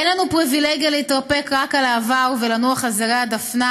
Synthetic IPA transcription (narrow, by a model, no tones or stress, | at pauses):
enlanupʁivileɡijaleitʁape̞kʁakalaːvaʁvelanuaχazeʁead̪afna